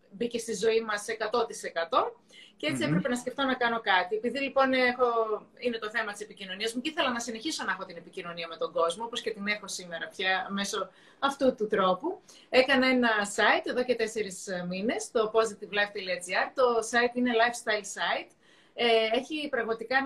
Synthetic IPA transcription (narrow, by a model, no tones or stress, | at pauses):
bice̞st̪izo̞imɐsekɐt̪o̞t̪ise̞kɐt̪o̞ | cee̞t͡siepɾe̞penɐsceft̪o̞nɐkɐno̞kɐt̪ie̞piðilipo̞nexo̞ine̞t̪oθe̞mɐt̪i̥se̞picino̞niɐzmuiθelɐnɐsine̞çiso̞nɐexo̞t̪inepicino̞niɐme̞t̪o̞ɡo̞zmoopo̞sce̞t̪ine̞xo̞sime̞ɾɐpçɐme̞so̞ | ɐft̪ut̪ut̪ɾo̞pu | e̞kɐnɐe̞nɐsɐit̪e̞ðo̞cet̪e̞se̞ɾismine̞st̪o̞po̞zekt̪ivlɐjft̪eliɐd͡ziɐɾt̪o̞sɐit̪ine̞lɐjfst̪ɐilsɐit̪ | ee̞çipɾɐɣmɐt̪ikɐ